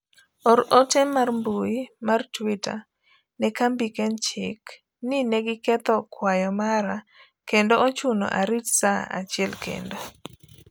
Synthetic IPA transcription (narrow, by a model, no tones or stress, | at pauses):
ɔɾotɛmarmbuimartwita̰ | nɛkambikɛnt͡ʃɪk | nɪnɛɡɪkɛt̪ɔkwajɔmaɾa | kendoot͡ʃuno̰ʔaɾitsaa̰t͡ʃɪɛlkḛndo